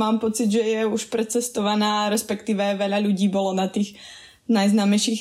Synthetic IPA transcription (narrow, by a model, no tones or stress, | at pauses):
maːmpɔt͡siɟ̪ʒɛjɛuʃpɾɛt͡sɛst̪ɔʋanaːɾɛspɛkt̪iːʋɛʋɛʎaʎuɟiːbɔlɔnat̪iːx | najznaːmɛjʃiːx